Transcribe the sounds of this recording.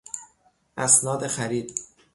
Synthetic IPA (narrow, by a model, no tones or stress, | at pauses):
ʔæsnɒːd̪exæɾiːd̪